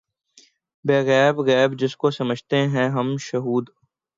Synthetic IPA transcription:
beːɣɛːbɣɛːbd͡ʒɪskosɐməd͡ʒʱt̪eɦɛ̃ɦɐmʃɐɦuːd̪

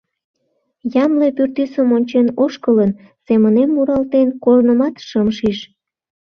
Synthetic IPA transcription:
jɑmlepyrt̪ysəmonʲt͡ɕenoʃkələn | semənemːuɾɑlt̪enkornəmɑt̪ʃəmʃiʃ

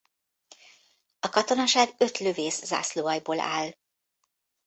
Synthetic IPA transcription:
ɒkɒt̪o̞nɒʃaːɡø̞t̪lø̞veːsza̰ːsloːɒjboːlʔa̰ːl

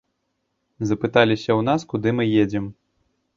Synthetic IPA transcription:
zɐpɨt̪alʲisʲɐwnaskud̪ɨmɨjed͡zʲɛm

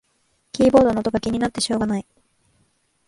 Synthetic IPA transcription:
kʲiːbo̞ːd̪o̞not̪o̞ɡakʲiɲ̟inat̪ːe̞ɕo̞ːɡanai

